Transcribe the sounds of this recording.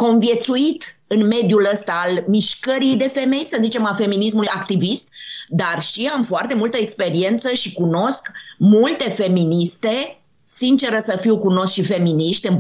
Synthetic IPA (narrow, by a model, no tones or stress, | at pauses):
ko̞nvje̞t̪suit̪ɨnme̞d̪juləst̪aːlmiʃkəɾijd̪e̞fe̞me̞jsəzit͡ʃe̞mafe̞minis̬mulujakt̪ivist̪̚d̪arʃiamfoart̪e̞mult̪əekspe̞ɾie̞nt̪səʃikuno̞skmult̪e̞fe̞minist̪e̞ | sint͡ʃe̞ɾəsəfiwkuno̞skʃife̞miniʃt̪ʲɨn